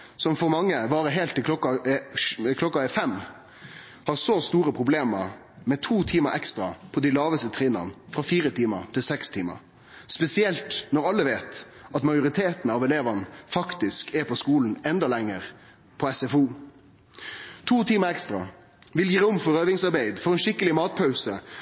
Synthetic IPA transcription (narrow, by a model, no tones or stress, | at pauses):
sɔmfɔɾmɑŋːəʋɑːɾəɦeːlt̪ʰːɪlkʰlɔkːɑ | kʰlɔkːɑfɛmː | hɑʁsɔst̪uːɾəpʰʁʊbleːmə̰ɾ | mɛt̪ʰuːt̪ʰiːməʔɛkst̪ɾɑ̰pʰɔd̪æɪlɑːʋəst̪ət̪ʰɾiːnɑ̰nfʁɑfiːɾət̪ʰiːmə̰ɾt̪ʰɪlsɛkst̪ʰiːmə̰ɾ | spɛsɪɛlt̪nɔʁɑlːəʋeːt̪ɑt̪mɑjʊʁɪt̪ʰeːt̪n̩ɑʋɛleːʋənfɑkt̪ɪskɛpʰɔskuːln̩ɛnd̪ɑlɛŋːəʁ | pʰɔɛsɛfuː | t̪ʰuːt̪ʰiːməɾɛkst̪ɾɑ | ʋɪljiːɾʊmfɔɾøːʋɪŋsɑʁbæɪd̪fɔʁɛnʃɪkːəlɪmɑːt̪̚pʰɑʉsə